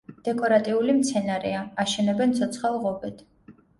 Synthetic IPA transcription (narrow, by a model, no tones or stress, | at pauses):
d̪̥ɛkʼɔɾat̪ʼiulimt̪sʰɛnaɾɛ̰aaʃɛnɛbɛnt̪sʰɔt̪sʰχalˠʁɔbɛt̪ʰ